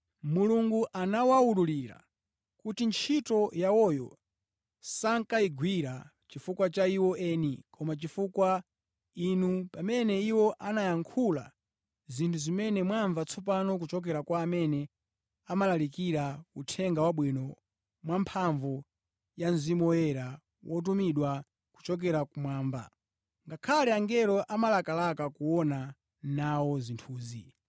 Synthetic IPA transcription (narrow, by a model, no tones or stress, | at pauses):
muluŋɡuʔanawaululiɾa̰ | kutint͡ʃʰitɔjaɔjɔ̰ | saŋkaiɡwiɾa | t͡ʃifukwat͡ʃaiwɔʔɛnikʰɔmat͡ʃifukwa | inupamɛnɛiwɔʔanajaŋkʰula̰ | zintʰuzimɛnɛmwaɱvat͡sʰɔpanɔk̬ut͡ʃɔk̬ɛɾakwaːmɛnɛ | amalalikiɾautʰɛŋɡawaɓwinɔ | mwampʰaɱvɔ | janzimjɛɾa | wʔɔt̬umiɗwa | ku̥t͡ʃɔk̬ɛɾakumwaːɱba̰ | ŋɡakʰalɛaŋɡɛɾɔʔamalakalakakuɔna | nawɔzintʰuːzi